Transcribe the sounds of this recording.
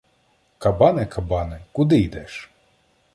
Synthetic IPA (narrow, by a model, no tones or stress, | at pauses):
kɐbɑnɛkʰɐbɑnɛkʊd̪ɪjd̪ɛʃ